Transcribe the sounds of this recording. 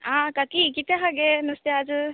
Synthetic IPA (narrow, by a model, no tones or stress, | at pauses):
aːkakikit̪eɦaɡenɐst̪ead͡ʒɨ